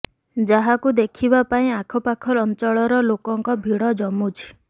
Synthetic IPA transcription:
d͡ʒaɦakud̪ekʰibapaĩakʰɔpakʰɔɾɔnt͡ʃɔɭɔɾɔlokɔŋkɔbʱiɽɔd͡ʒɔmut͡ʃʰi̥

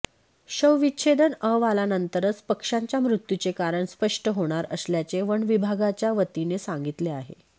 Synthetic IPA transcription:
ɕəʋʋiɕʰed̪ənəʋalanənt̪əɾət͡spəkʂaɲt͡ɕjamɾut̪jut͡sekaɾəɳspəʂʈəɦoɽ̃aɾəsljat͡seʋəɳʋibʱaɡat͡ɕjaʋət̪inesãŋɡit̪leaɦḛ

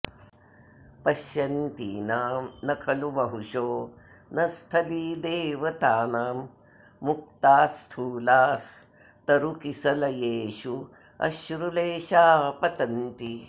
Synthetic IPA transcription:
pɐʃjɐnt̪ḭːnaːmnɐkʰɐlubɐɦuʂoː | nɐst̪ʰɐliːd̪eːʋɐt̪aːnaːmː | uk̚t̪aːst̪ʰuːlaːs | t̪ɐɾukisɐlɐjeːʃu | ɐ̰ʃɾuleːʃaːpɐt̪ɐnt̪i

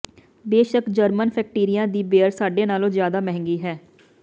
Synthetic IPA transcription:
beːʃəkd͡ʒəɾmənpʰɛːk̚ʈiːɾɪjãːd̪iːbeːəɾsaːɖeːnaːlõːzjaːd̪aːmɛɦɛ̃ŋɡiːɦɛː

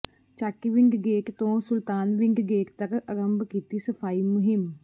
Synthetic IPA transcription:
t͡ʃaːkiʋɪ̃ŋɡɡeːkt̪õːsʊlt̪aːnʋɪ̃ŋɡɡeːkt̪əkəɾəmbkiːt̪isəpʰaːiːmʊɦɪm

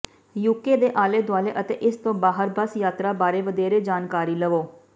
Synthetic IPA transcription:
jukeːd̪eːʔaːleːd̪waːleːʔət̪eːʔɪst̪õːbaːɦəɾbəsjaːt̪ɾaːbaːɾeːʋəd̪eːɾeːd͡ʒaːnkaːɾiːləʋoː

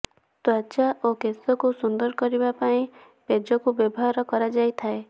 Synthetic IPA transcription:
t̪wat͡ʃaʔokesɔkusund̪ɔɾɔkɔɾibapaĩ | ped͡ʒɔkubɔbɔɦaɾɔkɔɾad͡ʒajt̪ʰae

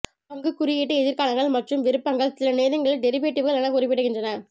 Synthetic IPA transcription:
pɐŋɡɯkːʊɾɪjɪʈːɐɛðɪɾkaːlɐŋɡɐɭmɐʈrɯmʋɪɾɯpːɐŋɡɐɭsɪlɐneːðɐŋɡɐɭɪɖɛɾɪpeːʈːɯʋɯɣɐɭɐnɐkʊɾɪpːɪɽːɯɣɪndrɐnɐ

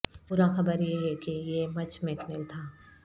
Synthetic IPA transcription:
puːɾaxɐbəɾjeɦɛkijeːmɐt͡ʃmekmɪlt̪ʰaː

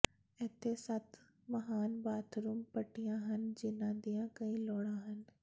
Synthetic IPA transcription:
ɛːt̪ʰesɐt̪ʰ | məɦaːnbaːt̪ʰɾuːmpəʈːijãɦənd͡ʒɪnãːd̪ijãkəĩlɔːɽãɦən

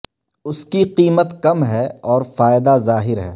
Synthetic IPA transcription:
ʊskiqiːmət̪kɐmɦɛɔːɾfaːɪd̪azaːɦɪɾɦɛ̰ː

